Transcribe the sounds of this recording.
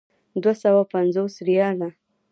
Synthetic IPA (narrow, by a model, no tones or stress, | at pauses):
d̪wasawapanzosɾijɑla